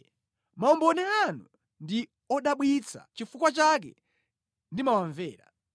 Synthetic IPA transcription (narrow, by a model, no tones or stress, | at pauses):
maɔmbɔnɛanu | ndi | ɔɗaɓwit͡sʰa̰t͡ʃifukwat͡ʃak̬ɛ̰ | ndimawaɱvɛːɾa̰